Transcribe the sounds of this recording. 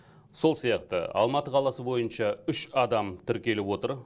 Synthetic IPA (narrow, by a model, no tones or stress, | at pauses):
so̞lˠsijɑqt̪ə̰ɑ̰lˠmɑt̪əqʰɑlˠɑsəbo̞jənʃɑʏʃɑd̪ɑmt̪ʰʏɾkʲe̞lɪpwo̞t̪əɾ